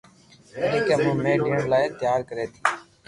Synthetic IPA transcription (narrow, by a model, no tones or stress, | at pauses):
ɗɪːkeːmũːmeːɖiːɳlaːeːt̪jaːɾkəɾeːt̪ʰiː